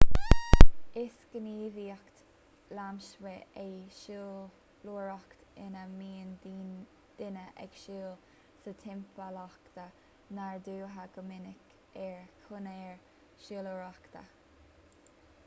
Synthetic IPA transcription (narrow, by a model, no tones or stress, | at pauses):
ɪsɡ̥əniːviːəkt̪ | lamʃwɛʔɛjʃuː | luɹɔkt̪ɪnəmiːəndi | d̪̥ɪnəʔɛ̰ɡ̥ʃuːl | sət̪ʰɪmpalɔkt̪ə | naɹd̪uːɦəɡ̥əmɪnɪk | ɛɹkʰʊnɛɹ | ʃuːluɹakt̪ə̰